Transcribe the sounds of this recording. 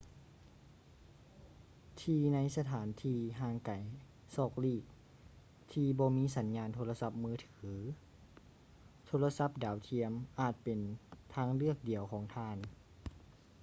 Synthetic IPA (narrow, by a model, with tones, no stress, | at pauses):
t̪ʰiː˧na˧˥jsa˧t̪ʰaː˩˦nt̪ʰiː˧ɦaː˧˩ŋka˨˩j | sɔː˧˩k̚liː˧˩k̚ | t̪ʰiː˧bɔː˧miː˧˥˨sa˩˦nɲaː˧nt̪ʰoː˧la˧sa˧˥p̚mɯː˧˥t̪ʰɯː˩˦ | t̪ʰoː˧˥la˧sa˧˥p̚daː˨˩wt̪ʰi˧əmʔaː˨˩t̪̚pe˨nt̪ʰaː˧˥ŋlɯ˥˩ək̚di˨˩əwkʰɔː˩˦ŋt̪ʰaː˧˥˨n